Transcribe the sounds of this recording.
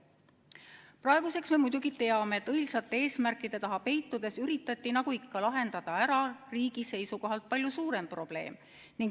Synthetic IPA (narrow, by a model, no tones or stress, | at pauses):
prɑeɡ̥use̞ksme̞mujd̪uɡit̪e̞ɑme̞ːt̪ːˑɤjlsɑt̪ːeeːsmærkːˑid̪̥e̞t̪ɑɦɑpe̞jt̪ːˑud̪̥e̞syɾit̪ːˑɑt̪ːinɑɡuikːɑlɑɦe̞nd̪ɑd̪̥ɑæɾɑriːɡ̥ise̞jsuko̞ɦɑlt̪̚pɑlʲjusuːɾe̞mpro̞b̥le̞̰ːm | niŋɡ